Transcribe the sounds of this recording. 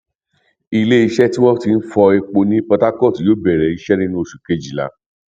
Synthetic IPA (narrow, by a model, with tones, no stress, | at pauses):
i˦˧˨le˦i˧ʃɛ˦ti˦w̃ɔ̃˦ti˧n̩˦fɔ˧ɛ˧k͡po˧nĩ˦pɔ˧ta˦kɔ˦˨sjoː˨˦bɛ˨ɾɛ˨i˨˧˦ʃɛ˦nĩ˦nũ˦o˨ʃu˨ke˦d͡ʒi˨la̰˨˦